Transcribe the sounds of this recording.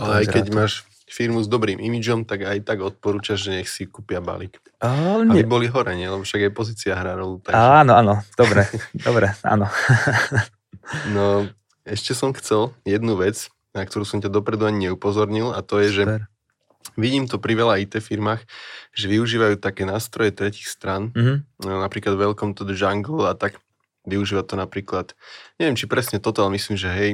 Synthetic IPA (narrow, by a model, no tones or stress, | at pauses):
aalɛajkɛɟmaːʃ | fiɾmuzd̪ɔbɾiːmimid͡ʒɔmt̪aɡajt̪aɡɔt̪̚pɔɾuːt͡ʃaʒʒɛɲɛxsikupɪaba̰lik | abibɔliɦɔɾɛɲɛlɛbɔfʃaɡajpɔziːt͡siaɦɾaɾɔluːt̪aaːnɔanɔd̪̥ɔbɾɛd̪ɔbɾɛʔa̰nɔ | nɔ | ɛʃcɛsɔmxt͡sɛljɛd̪nuʋɛt͡s | nak̚t̪ɔɾuːsɔmcad̪ɔpɾɛd̪uaɲiɲɛupɔzɔɾɲilat̪ɔjɛʒɛ | ʋiɟiːmt̪ɔpɾiʋɛlait̪ɛfiɾmaːxʒɛʋiuʒiːʋajuːt̪akɛːnaːst̪ɾɔjɛt̪ɾɛciːxst̪ɾanɦnapɾiːklad̪vʋɛlkɔmt̪ɔd̪ɛʒaŋɡl̩at̪aɡ | ʋiuʒiːʋat̪ɔnapɾiːklat̪ɲɛʋɛmt͡ʃipɾɛsɲɛt̪ɔt̪ɔalɛmisliːmʒɛɦɛj